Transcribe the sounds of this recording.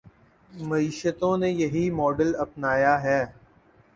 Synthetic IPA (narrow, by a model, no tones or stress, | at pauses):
mɐiːʃət̪õnejɐɦimɔːɖəlɐpnaːjaɦɛː